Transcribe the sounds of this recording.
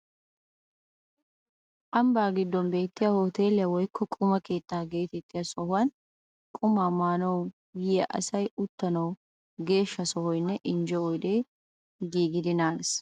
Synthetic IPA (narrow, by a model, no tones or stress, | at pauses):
ʔɐmbaːɡɪd̪ːɔnbe̞ːt̪ːɪjahoːt̪e̞ːlɛwɔjkʰːɔkʼʊmɐke̞ːt̪ːaːɡe̞ːt̪ɛt̪ːɪjɐsɔhʊɐn | kʼʊmːaːmaːnɔw | jɛʔɐ̰sɐjʊt̪ːɐnɐw | ɡe̞ːʃːɐsɔhɔjnːɛʔɪnd͡ʒɛɔjd̪eː | ɡiːɡɪd̪ɪnaːns